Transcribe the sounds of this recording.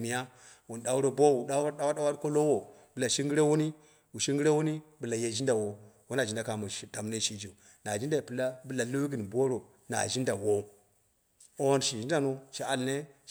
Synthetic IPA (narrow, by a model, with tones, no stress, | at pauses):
mi˨ja˦ | wu˨nda˨u˦ɾo˦bo˦wu˨da˦a˦da˦wa˦a˦wa˦ɾko˦lo˦wo˨ | bɨ˨la˨ʃi˦ŋɡi˦ɾe˦wu˦ni˦ | wu˨ʃi˦ŋɡi˦ɾe˦wu˦ni˦bɨ˨la˨je˨ʒi˦nda˨wo˦˨wo˦na˨i˦nda˨ka˨mu˨i˨da˨m˦ne˦ʃi˦d͡ʒi˨ | na˨d͡ʒi˦nda˨i˨pɨ˨la˦bɨ˨la˨lo˦ɡi˨nbo˦ɾo˨ | na̰˨ʒi˦nda˨wo˦ | o˦n˨ʃi˨ʒi˦n˦da˨no˦ʃa˨a˦lne˦